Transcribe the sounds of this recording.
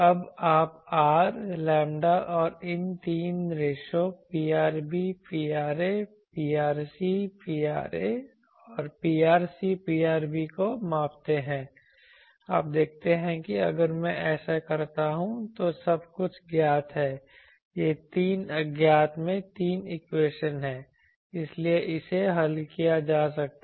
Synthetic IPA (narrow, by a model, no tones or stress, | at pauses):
ɐbaːpaːɾlɛ̃ːmɖaʔɔːɾɪnt̪iːnɾeːʃopiːaːɾbipiːaːɾe | piːaːɾsipiːaːɾe | ɔːɾpiːaːɾsipiːaːɾbikomãːpt̪eɦɛ̃ː | a̰ːp̚d̪eːk̚ʰt̪eɦɛ̃kiɐ̰ɡəɾmɛ̃ʔɛːsakɐɾt̪aɦũt̪osɐbkʊt͡ʃʰɡjaːt̪ʰɦɛː | jeːt̪iːnɐɡjaːt̪ʰmẽt̪iːnɪkweːʃənɦɛ̃ː | ɪslieʔɪseɦɐlkijad͡ʒaːsɐk̚t̪